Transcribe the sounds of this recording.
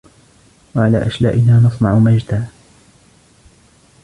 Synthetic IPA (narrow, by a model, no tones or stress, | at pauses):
waʕalaːʔaʃla̰ːʔɪnaːnɑsˤnɑʕʊmad͡ʒt̪aː